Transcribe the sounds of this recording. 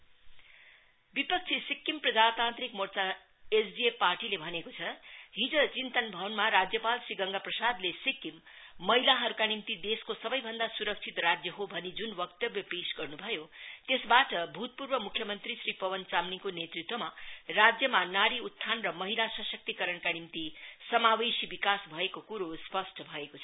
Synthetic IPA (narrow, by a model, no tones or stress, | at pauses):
bipʌk̚t͡sʰisikːimprʌd͡zat̪ãnt̪rikmort͡sa | esbieparʈilebʱʌnekot͡sʰʌɦid͡zʌt͡sint̪ʌnbʱʌwnmaɾad͡zjʌpalsiɡʌŋɡaprʌsad̪lesikːimː | ʌɦilaɦʌɾukanimt̪id̪eskosʌbʌjbʱʌnd̪asuɾʌk̚t͡sʰit̪rad͡zjʌɦobʱʌnid͡zunwʌkt̪ʌbjʌpesɡʌrnubʱʌjot̪esbaʈʌbʱut̪̚puɾbʌmukʰjʌmʌnt̪risripʌwʌnt͡samnikonet̪rit̪wʌmarad͡zjʌmanaɽiut̪ʰːanrʌmʌɦilasʌsʌk̚t̪ikʌɾʌnkanimt̪isʌmawesibikasbʱʌekokuɾospʌsʈʰʌbʱʌekot͡sʰʌ